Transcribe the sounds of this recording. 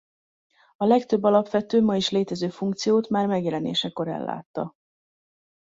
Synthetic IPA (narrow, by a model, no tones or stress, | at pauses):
ɒlɛkt̪øbːɒlɒpʋɛt̪øːmɒiʃleːt̪ɛzøːfuŋkt̪sijoːt̪maːrmɛɡjɛlɛnḛːʃɛko̞ɾɛ̰lːʔa̰ːt̪ːɒ